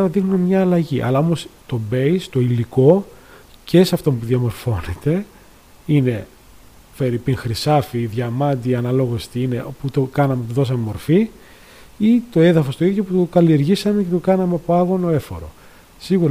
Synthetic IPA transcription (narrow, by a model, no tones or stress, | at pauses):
ɐðixnumemɲɐːlɐʝiʔɐ̰lɐo̞most̪o̞be̞ist̪o̞iliko̞ | ce̞sɐft̪o̞mpuðjɐmo̞ɾfo̞net̪e̞ | ine̞ | pe̞ɾipiŋxɾisɐfiðʝɐmɐnd̪iɐnɐlo̞ɣost̪iine̞oput̪okɐnɐmet̪uðo̞sɐmemo̞ɾfi | it̪o̞e̞ðɐfo̞st̪o̞iðʝo̞put̪okɐlie̞ɾʝisɐmece̞t̪okɐnɐmeɐpo̞ɐɣo̞noe̞fo̞̰ɾo̞̰ | siɣuɾ